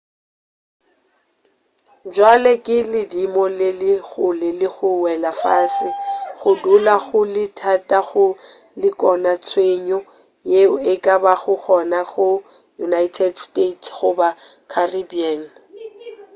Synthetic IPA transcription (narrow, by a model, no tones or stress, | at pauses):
d͡ʒwalekʼɪlɪdimɔlɪlɪɣʊlɪlɪɣʊwɛlafaːsɪɣʊdulaɣʊlɪtʰatʼaɣʊ | lɪkʼɔnat͡sʰweɲɔ | jeɪkʼabaɣʊk͡xʰɔnaɣʊ | junaitʰɛdstetʰɣʊba | kʰaribian